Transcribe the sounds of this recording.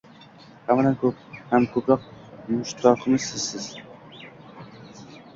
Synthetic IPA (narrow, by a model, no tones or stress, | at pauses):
hamalɛnkʲʰɵp̚hæmkʰɵpɾɑq̚mʊʃt̪ʰɑqʰɨmɨzsɪz̥sɪz̥